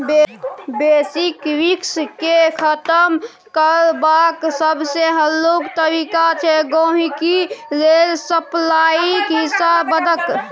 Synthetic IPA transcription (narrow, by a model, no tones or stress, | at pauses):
beːsikwɪkskekʰət̪əm | kəɾbaksəbseɦəllːokt̪əɾikat͡ʃʰɛɡõːɦikilelsəplaikɦɪsabəd̪ʱək